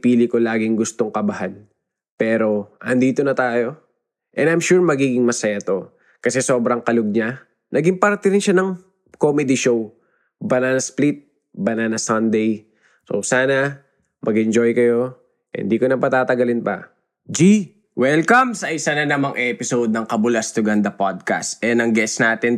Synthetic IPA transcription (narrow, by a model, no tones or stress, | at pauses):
piːlɪko̞laːɡɪŋɡʊst̪o̞ŋkɐbɐhan | pɛːɾo̞ʔɐnd̪iːt̪o̞nɐt̪aːjo̞ | ʔɛnd̪ɐjmʃuɹmɐɡiːɡɪŋmɐsɐjat̪o̞ | kɐsɛso̞ːbɾɐŋkɐloɡ̚ɲa | nɐɡɪmpɐɾt̪ɪɾɪnʃanɐŋ | komɛd̪ɪʃow | bɐnaːnɐsplit̪̚ | bɐnaːnɐsɐnd̪ɛj | so̰saːnɐ | mʔɐɡɪnd͡ʒo̞jkɐjo̞ | ʔɪ̰nd̪iːkonɐpɐt̪aːt̪ɐɡɐlɪnpɐ̰ | d͡ʒi | wɛlkɐmsɐɐɪsananɐmaŋʔɛpɪsod̪̚nɐŋkɐbʊlast̪ʊɡɐnd̪ɐpad̪̚ka̰st̪ʔɛnɐŋɡɛsnaːt̪ɪn